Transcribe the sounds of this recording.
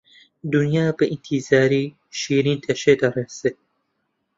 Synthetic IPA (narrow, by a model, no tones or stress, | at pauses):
d̪unjaːbɨʔint̪ʰizaːɾiː | ʃiːɾiːnt̪ʰɐʃed̪ɐrese